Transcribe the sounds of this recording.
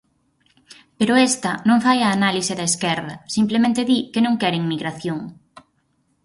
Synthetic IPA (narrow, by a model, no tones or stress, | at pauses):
peɾʊɛst̪ɐnõŋfajɐːnalisɪðɐeskɛɾðɐsimplemẽnt̪ɪðikenõŋkɛɾeŋmiɣɾaθjoŋ